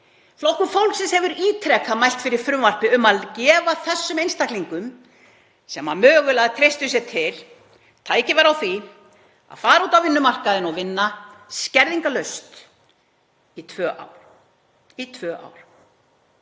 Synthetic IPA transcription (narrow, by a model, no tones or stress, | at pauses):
flowhkʏfowlksɛnshɛvʏɾiːt̪ʰɾɛkamajl̥t̪fɪɾɪɾ̥fɾʏmvar̥pɪʏmaðcɛːvaθɛsːʏmejnst̪akliŋkʏm | sɛmːamœːɣʏlaðt̪ʰɾejst̪ʏs̬ɛt̪ʰɪl | t̪ʰaːjcɪvaɾawθvi | a̰ðfaːɾauːt̪awvɪnːʏmar̥kaðɪnɔɣvɪnːascɛɾðiŋkalœɥst̪ | it̪ʰvœːʔa̰w | it̪ʰvœːʔa̰wɾ